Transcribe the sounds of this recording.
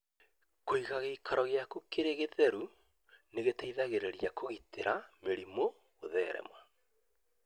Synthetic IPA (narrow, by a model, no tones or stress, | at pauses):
koiɣaɣeikʰaɾɔɣjakukeɾeɣeðɛɾu | neɣetaiðaɣeɾeɾjakoɣiteɾameɾimo | ɣoðɛːɾɛ̰mwa